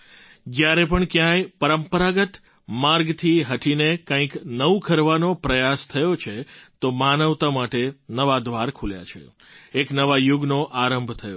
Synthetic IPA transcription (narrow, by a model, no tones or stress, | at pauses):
d͡ʒjaɾɛp̬əɳkjãjpəɾəmpəɾaɡət̪ | maɾɡt̪ʰiɦəʈʰinekãĩknəʋukʰəɾʋanopɾəjast̪ʰəjot͡ʃʰet̪omanəʋt̪amaʈenəʋad̪ʱʋaɾkʰulja̰t͡ʃʰḛ | eknəʋajuɡnoʔaɾəmbʱt̪ʰəjo̰